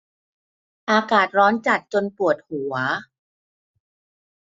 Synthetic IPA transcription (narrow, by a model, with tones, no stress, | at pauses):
ʔaː˧kaː˨˩t̪̚ɾɔː˦˥nt͡ɕa˨˩t̪̚t͡ɕo˧npu˨˩ət̪̚hu˨˩˦ɐ